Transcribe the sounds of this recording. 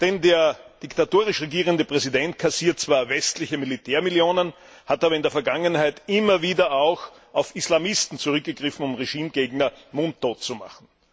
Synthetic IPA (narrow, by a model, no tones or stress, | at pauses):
d̥ɛndeːɐd̥ɪktatoːʁɪʃʁeɡiːʁ̞əndəpʁ̥ɛzidɛnt̚kʰasiːɐt̚t͡sv̥aːɐvɛstlɪçəmilitʰeːɐmiljoːnən | hataːbɐɪndeɐfɐɡaŋənhaɪtʔɪmɐviːdɐaʊx | ʔaʊfislamɪstn̩t͡suʁʏk̚ɡ̥əɡ̥ʁɪfn̩ʊmʁeʒiːmɡeːɡnɐmʊntoːt͡suma̰χn̩